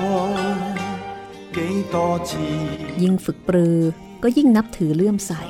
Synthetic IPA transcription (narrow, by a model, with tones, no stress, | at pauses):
ɔ˧˩ | ke˨˧˥ŋt̪ɔː˧t͡ɕʰiː˧˩ji˧ŋfɯ˨˩k̚pɾɯː˧ | kɔː˥˩ji˥˩ŋna˦˥p̚t̪ʰɯː˩˦lɯ˥˩əmsa˨˩j